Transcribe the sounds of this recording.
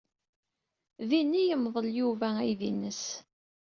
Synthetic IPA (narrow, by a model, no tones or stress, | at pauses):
ðinːijəmðˤəljuvææjðḭnːəs